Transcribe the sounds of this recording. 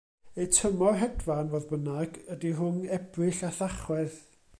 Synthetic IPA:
etʰəmɔɦɛdvanvoːðbənaɡədiɦʊnɛbrɨɬaθaχwɛð

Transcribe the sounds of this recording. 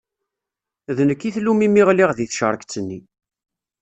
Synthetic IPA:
ðnəkːiθlumimiʁliʁðiθʃəɾˤəkt͡sːənːi

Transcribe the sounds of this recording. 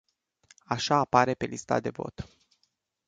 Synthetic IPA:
aʃaːpaɾe̞pe̞list̪a̰d̪e̞vo̞̰t̪

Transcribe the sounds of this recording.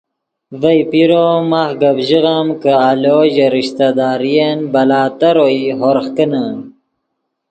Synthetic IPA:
vɐjpiɾomaxɡɐbʑiɣamkəaloʑeɾiɕt̪ad̪aːɾijenbɐlaːt̪ɐɾoiɦoɾxkənan

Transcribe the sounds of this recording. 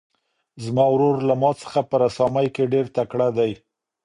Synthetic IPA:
zmɑwɾoɾlamɑt͡sə̥xapəɾasɑmajkeɖeɾt̪akɽad̪aj

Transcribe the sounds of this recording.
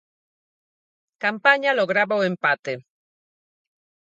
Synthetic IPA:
kampaɲaloɣɾaβaoempat̪e

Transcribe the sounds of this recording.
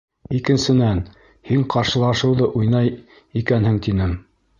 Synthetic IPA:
ikɘ̆nsɘ̆næn | hiɴqɑɾʃɤ̆lˠɑʃɤ̆wðɤʔujnɑj | ikænhɘŋt̪inɘm

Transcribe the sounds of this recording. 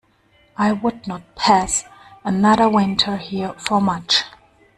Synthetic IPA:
aɪwʊdⁿnət̚pʰæsənaɾəwɪ̃ntʰə˞hiɹfə˞mʌt͡ʃ

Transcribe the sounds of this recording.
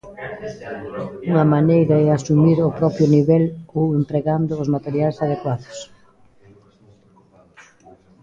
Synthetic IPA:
uŋɐmanejɾɐeasumiɾʊpɾɔpɾjʊniβɛlowempɾeɣand̪ʊːzmat̪eɾjajsað̞ekwaðʊ̥s

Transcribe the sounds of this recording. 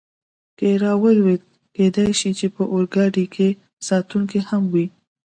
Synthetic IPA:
keɾɑwəlwet̪̚ | ked̪ajʃit͡ʃepəʔoɾɡɑɖikʰe | sɑt̪uŋkihamwi

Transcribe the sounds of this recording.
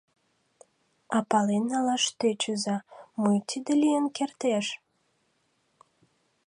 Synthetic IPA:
ɑpɑlenːɑlɑʃt̪øt͡ɕəzɑmujt̪id̪elʲijənkert̪eʃ

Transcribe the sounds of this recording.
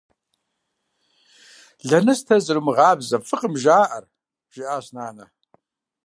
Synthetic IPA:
ɮɐnɐstʰɐzɨrɨmɨʁɑːbzɐfɨqʼəmʒaːʔɐr | ʒ̥ɪʔaːɕnaːnɐ

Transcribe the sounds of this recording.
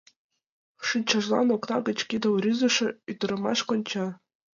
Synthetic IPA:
ʂɯnʲt͡ɕɑ̆ʐlˠɑ̰noknɑɡɤ̆t͡ɕkʲid̪ɤ̆wrʲyzɤ̆ʂɘ̆yt̪̆rɤ̆mɑ̰ɕkŏnʲt͡ɕɑ

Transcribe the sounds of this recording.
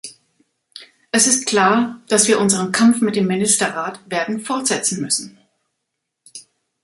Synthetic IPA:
ʔɛsɪst̚kl̥aːɐd̥asv̥iːɐʔʊnzəʁ̞ənkʰamfmɪt̚d̥eːmːɪnɪstɐʁaːtv̥eːɐdn̩fɔɐtz̥ɛt͡sn̩mʏsn̩

